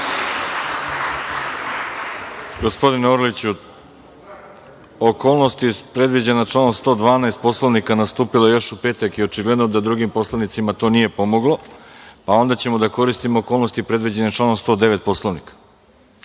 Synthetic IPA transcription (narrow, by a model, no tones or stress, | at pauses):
ɡo̞spo̞d̪inoɾlit͡ɕu | oko̞ːlˠnost̪ipɾe̞d̪ʋid͡ʑenat͡ʃlˠanomst̪o̞ːd̪ʋaːnaest̪̚poslˠoʋnikanast̪uːpilaejo̞ʃupe̞ːt̪akio̞t͡ʃiɡle̞d̪nod̪ad̪ɾuɡimpo̞slˠanit̪simat̪o̞nije̞po̞mo̞ɡlo̞pao̞nd̪at͡ɕe̞mo̞d̪ako̞ɾist̪imoːko̞ːlˠno̞st̪ipɾe̞d̪ʋid͡ʑe̞net͡ʃlˠanomst̪o̞ːd̪e̞ʋe̞t̪̚po̞slˠoʋnikḁ